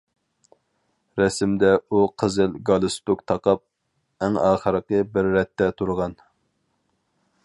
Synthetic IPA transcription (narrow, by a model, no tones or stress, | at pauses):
ɾɛsɪmd̪ɛuqʰəzɨlɡɑlˠɨst̪ukt̪ʰɑqɑp̚ | æŋɑːχəɾəqəbɪɾːɛt̪ːɛt̪ʰuɾʁɑn